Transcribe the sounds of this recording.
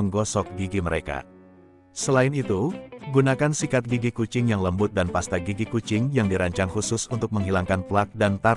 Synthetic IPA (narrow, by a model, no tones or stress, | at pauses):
əŋɡɔsɔk̚ɡiɡiməɾeka̰ | səlaɪnit̪uɡunakansikat̪̚ɡiɡikut͡ʃɪŋjaŋləmbʊt̪̚danpast̪aɡiɡikut͡ʃɪŋjaŋdiɾaɲt͡ʃaŋhusʊsunt̪ʊk̚məŋɦilaŋkanpəlak̪̚dant̪a